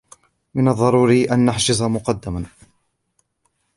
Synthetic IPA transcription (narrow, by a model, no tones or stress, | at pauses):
mɪnɑðˤːɑɾˤuːɾiːʔanːaħʃɪzˤamʊqɑd̪ːaman